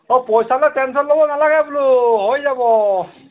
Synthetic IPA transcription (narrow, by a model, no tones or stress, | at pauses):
ɔpɔjsalɔjtɛntʰɔtlobɔnalaɡɛbulʊɦojzabɔ